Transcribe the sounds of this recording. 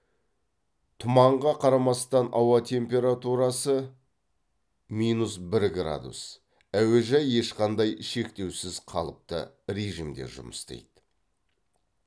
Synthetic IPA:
t̪ʰʊmɑɴʁɑqʰɑɾɑmɑst̪ɑnɑwɑt̪ʲʰe̞mpʲe̞ɾat̪uɾɑsə | mijnusbɪɾɡra̰d̪ṵs | æweʒæjːe̞ʃqɑnd̪ɑjʃe̞kt̪e̞wsɪzqʰɑ̰lˠəp̚t̪ə̰ | ɾeʒimd̪e̞̰ʒʊ̰məst̪ḛjd̪

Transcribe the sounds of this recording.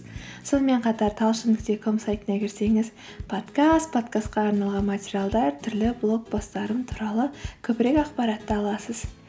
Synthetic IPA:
so̞nəme̞ɴqʰɑt̪ɑɾt̪ʰɑlˠʃɪnd̪ɪkt̪ekʰomsajt̪ənɑkʲʰɪɾse̞ŋɪz | pʰo̞t̪kast̪̚pʰo̞t̪kast̪̚qɑːɾnɑlˠʁɑnmatʲeɾijalˠd̪ɑɾt̪ʰʏɾlɪblˠo̞k̚bo̞st̪ɑɾəmt̪ʰuɾɑlˠəkʲʰɵpɪɾe̞kɑqpɑɾɑt̪ːəɑlˠɑsəz̥

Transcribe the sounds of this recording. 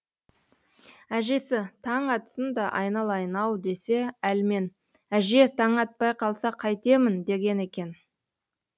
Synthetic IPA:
æʒe̞sɪt̪ʰɑɴɑt̪ə̥sənd̪ɑʔɑ̰jnɑlˠɑjənɑwd̪e̞se̞ælme̞n | æʒe̞t̪ʰɑɴɑt̪̚pɑjqʰɑlˠsɑqʰɑjt̪e̞mɪnd̪e̞ɡʲe̞ne̞kʲe̞n

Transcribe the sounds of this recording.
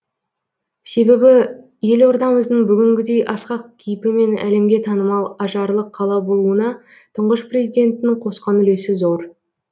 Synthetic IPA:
se̞be̞bɪ | je̞lo̞ɾd̪ɑməzd̪əɴbʏɡʲɪŋɡʲɪd̪e̞jʔɑsqɑq̚kʲʰijɪpɪme̞næ̰le̞mɡʲe̞t̪ʰɑnəmɑlˠɑʒɑɾlˠəqʰːɑlˠɑbo̞lˠuənɑ | t̪ʰəɴʁəʃpre̞zijd̪e̞nt̪ɪnɪŋqʰo̞sqɑnʏle̞sɪzo̞ɾ

